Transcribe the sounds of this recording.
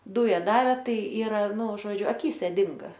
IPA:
ˈduːjɛ ˈdɑːʋʲeː ˈtɐɪ ˈiːrɐ ˈnʊ ˈʒoːd͡ʒʲʊ ɐˈkʲiːsʲɛ ˈdʲɪŋɡɐ

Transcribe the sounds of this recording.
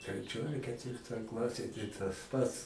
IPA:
tʲrʲɛˈt͡ʃʲoːj ɐr kʲɛtʲˈʋʲɪrtoːj ˈklˠɑːsʲeːj tɐɪ tɐs ˈpɐts

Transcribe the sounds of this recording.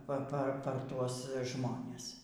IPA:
ˈpɐ ˈpɐ ˈpɐr ˈtuɔs ˈʒmoːnʲɛs

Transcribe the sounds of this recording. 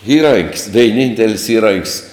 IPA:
ˈiːrɐŋʲkʲsʲ ʋʲɛɪˈnʲiːnʲtʲɛlʲsʲ ˈiːrɐŋʲkʲsʲ

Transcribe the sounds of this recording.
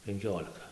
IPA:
pʲɛŋʲˈkʲoːlʲɪkɐ

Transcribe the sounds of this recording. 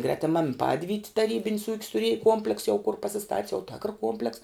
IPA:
ɡrʲɛtʲɪˈmɐm ˈpɑːdʲʋʲiːtʲɪ tɐˈrʲiːbʲɪnʲs uːkʲs tʊˈrʲiɛj ˈkuɔmʲpʲlʲɛks jɛʊ kʊr pɐsʲɪˈstɐtʲs jɛʊ tʲeːkr ˈkuɔmʲpʲlʲɛks

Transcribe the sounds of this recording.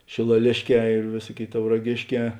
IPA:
ʃʲeːlˠɐˈlʲeːʃʲˌkʲɛː ɪr ˈʋʲeːsuɔˌkʲeːɪ tɐʊrɐˈɡʲeːʃʲˌkʲɛː

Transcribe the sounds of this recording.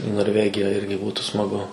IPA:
iː noːrʲˈʋʲæːɡʲɪjɛ ˈɪrʲɡʲɪ ˈbuːtʊ smɐˈɡʊ

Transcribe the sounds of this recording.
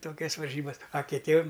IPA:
ˈtoːkʲɛs ʋɐrʲˈʒʲiːbɐs ɐ kʲɪˈtʲiɛm

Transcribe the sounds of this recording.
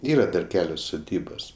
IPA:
ˈiːrɐ dɐr ˈkʲæːlʲoːs sʊˈdʲiːboːs

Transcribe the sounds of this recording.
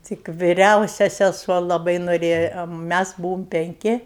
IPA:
ˈtʲɪk ʋʲɪˈrʲɛʊsʲɛ sʲɛˈsuɔ lˠɐˈbɐɪ noːˈrʲeːjɛ ˈmʲæs ˈbuːʋoːm pʲɛŋʲˈkʲɪ

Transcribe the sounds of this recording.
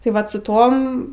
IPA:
tɐɪ ˈʋɐt sʊ ˈtoːm

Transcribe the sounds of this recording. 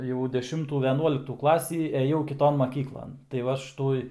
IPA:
jɛʊ dʲɛˈʃʲɪmtuː ʋʲɛˈnuɔlʲɪktuː ˈklˠɑːsʲiː ɛˈjɛʊ kʲɪˈtoːn mɐˈkʲiːklˠɐn tɐɪ ˈʋɐ ˈɐʃ ˈtuɔj

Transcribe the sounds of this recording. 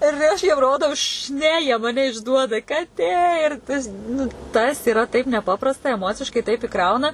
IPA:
ɪr ˈɐʃ jiɛm ˈroːdɐʊ ʃ ˈnʲɛ jiɛ mɐˈnʲɛ ɪʒˈduɔdɐ kɐˈtʲeː ɪr ˈtɐs nʊ ˈtɐs ɪˈrɐ tɐɪp nʲɛˈpɑːprɐstɐ ɛˈmoːt͡sʲɪʃkɐɪ tɐɪp ɪˈkrɐʊnɐ

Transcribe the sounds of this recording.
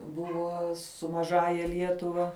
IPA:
ˈbʊʋoː sʊ mɐˈʒɑːjɛ ˈlʲiɛtʊʋɐ

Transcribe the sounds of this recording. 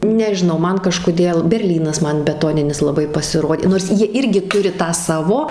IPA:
nʲɛʒʲɪˈnɐʊ ˈmɐn kɐʃkoːˈdʲeːlˠ bʲɛrʲˈlʲiːnɐs ˈmɐn bʲɛˈtoːnʲɪnʲɪs lˠɐˈbɐɪ pɐsʲɪˈroːdʲeː noːrs ˈjiɛ ˈɪrʲɡʲɪ ˈtʊrʲɪ ˈtɑː ˈsɑːʋoː

